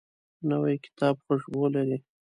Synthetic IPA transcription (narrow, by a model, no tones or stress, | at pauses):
nawajkɪ̥t̪ɑbxoʃbolaɾi